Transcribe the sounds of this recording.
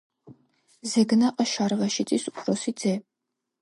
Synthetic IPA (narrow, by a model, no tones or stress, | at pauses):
zɛɡnaqʼɐʃaɾʁɐʃit͡s̪ʼisupʰɾɔsid̪zɛ